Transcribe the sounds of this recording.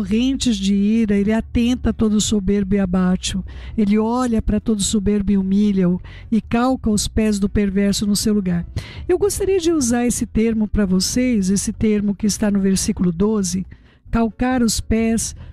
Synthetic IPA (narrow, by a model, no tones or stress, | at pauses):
oʁẽnt͡ʃɪzd͡ʒɪiɾɐelɪat̪ẽnt̪ɐt̪od̪ʊsobeɾbʊɪabaʃʊelɪɔʎɐpɾɐt̪od̪ʊsobeɾbʊɪumilɐw | ɪkawkɐʊspɛzd̪ʊpeɾvɛɾsʊnʊsewluɡaɾewɡost̪aɾiɐd͡ʒɪuzaɾesɪt̪eɾmʊpɾɐvosejzesɪt̪eɾmʊkɪːst̪anʊveɾsikulʊd̪ozɪ | kawkaɾʊspɛs